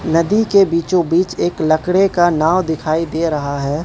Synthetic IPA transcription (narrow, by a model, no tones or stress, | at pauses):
nɐd̪ikebiːt͡ʃõbiːt͡ʃeːklɐkɽekanaːʋd̪ɪkʰaːid̪eːɾɐɦaɦɛː